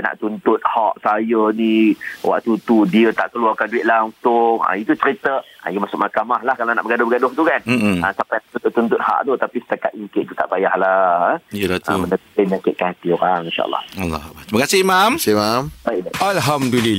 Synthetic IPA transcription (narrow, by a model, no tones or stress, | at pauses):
na̰ʔt̪unt̪ʊt̪̚haʔsajəniwa̰ʔt̪ut̪udiət̪a̰ʔkəluarkanduɪt̪̚laŋsʊŋã̰it̪ut͡ʃəɾit̪əa̰jəmasʊk̚makamahlahkalanaʔbəɡadʊhbəɡadʊht̪ukan̩asapajnaʔt̪unt̪ʊʔt̪ːunt̪ʊt̪̚ha̰ʔt̪ot̪apisə̥t̪akat̪̚ikɪʔt̪ut̪aʔbajahlahəijəlat̪umənəp̪əɲakɪʔ̪̚kaat̪ioɾaŋinʃa̰ʔə̰lːɑ̰halːɔhak̚bat̪ɾiməkasɪhmamsamambajʔbaalɦamduli